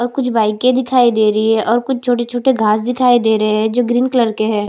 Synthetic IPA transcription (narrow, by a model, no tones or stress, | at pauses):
ɔːɾkʊt͡ʃʰbaːɪkẽd̪ɪkʰaːid̪eːɾəɦiɦɛʔɔːɾkʊt͡ʃʰt͡ʃʰoːʈet͡ʃʰoːʈeɡʱaːs̬d̪ɪkʰaːid̪eːɾɐɦeɦɛ̃d͡ʒoːɡɾiːnkləɾkeɦɛː